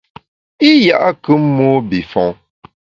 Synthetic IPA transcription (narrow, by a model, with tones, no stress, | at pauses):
i˦ja˦˨ʔa˦kɨ˦mo˦bi˨fɔ̃˨˦ŋ